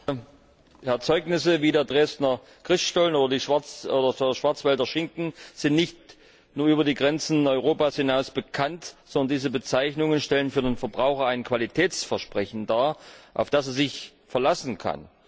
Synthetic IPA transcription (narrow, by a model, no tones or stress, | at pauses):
ɛɐt͡sɔʏknɪsəviːdeːɐdʁeːstnɐ | ɡ̥ʁ̥ɪstʃtalnoːdɐdiːʃv̥aɐt͡sʔoːdɐdeːɐɐʃv̥aɐt͡sv̥ɛldɐʃɪŋkŋ̩z̥ɪntnɪçt | nuːɐʔyːbɐdiːɡʁɛnt͡sn̩ɔʏʁoːpaːshɪnaʊsb̥əkʰantz̥ɔndɐndiːzəbət͡saɪçnʊŋənʃtɛlənfyːɐdeːnfɛɐbʁaʊxɐaɪnkv̥alitʰɛːt͡sfɛɐʃpʁ̥ɛçn̩daːɐʔa̰ʊfd̥aseːɐzɪç | fɛɐlasn̩kʰa̰n